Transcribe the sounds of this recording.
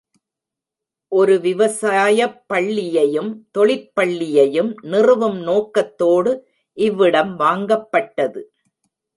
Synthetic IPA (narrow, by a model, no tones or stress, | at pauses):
ʔɔɾɯʋɪʋɐsaːjɐpːɐɭːɪjɐjɯmt̪ɔɭɪpːɐɭːɪjɐjɯmnɪrɯʋɯmnoːkːɐt̪ːoːɽɯ | ʔɪʋːɪɽɐmʋaːŋɡɐpːɐʈːɐðɯ